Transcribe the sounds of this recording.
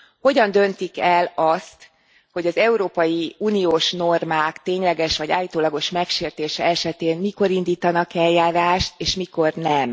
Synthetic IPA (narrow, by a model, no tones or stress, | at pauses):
ho̞ɟɒnd̪ø̞nt̪ikɛlɒst̪ | ho̞ɟɒzɛuɾoːpɒjiuːnijoːʃno̞rmaːkt̪eːɲlɛɡɛʃʋɒɟa̰ːjit̪oːlɒɡo̞ʃmɛkʃeːrt̪eːʃɛɛʃɛt̪eːnmiko̞ɾind̪iːt̪ɒnɒkɛljaːɾaːʃt̪eːʃmiko̞rnɛm